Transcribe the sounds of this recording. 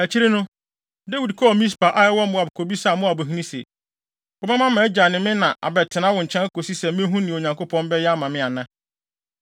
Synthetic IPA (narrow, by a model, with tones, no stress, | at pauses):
æ˨t͡ɕʰi˦ɾe˦nʊ̃˦ | de˦wi˨dkʰɔ˦˨mĩ˦s̬pa˨ʔa˦jɛ˦wɔ̃˦m˦mʊ̃˨˦a˨bʊ˨kʰo˨bi˦sa˦˨mʊ̃˦a˨bo˨ɦĩ˦nĩ˦sḛ˨ | bɔ˦bã˦mã˦mɛ̃˨˦d͡ʑa˨nɪ̃˨mɪ̃˦nã˨ʔa̰˨bɛ˨tʰɪ˨nã˦wɔ̃˨ɲ̩ʰ˨ɛ̃˦n˦kʰo˨si˦sɛ˨m˦mɪ̃˦ɦũ˦nɪ̃˨ɲã˨ŋko˦pʰɔ̃˦mbɛ˦jɛ˦a˦mã˨mɪ̃˦a˨nã˦